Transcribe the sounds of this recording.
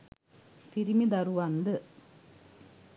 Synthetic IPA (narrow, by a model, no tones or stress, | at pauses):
t̪iɾimid̪ɐɾuʋɐnd̪ɨ